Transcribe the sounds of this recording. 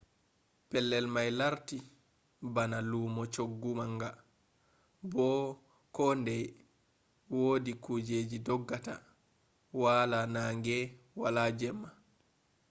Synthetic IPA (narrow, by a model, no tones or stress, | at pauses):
pɛlːɛlmajlaɾti | banaluːmɔt͡ʃoɡːumaŋɡa | bɔ | kɔndɛj | woːdikud͡ʒeːd͡ʒidɔɡːata̰ | waːlanaːŋɡɛ | walad͡ʒɛmːa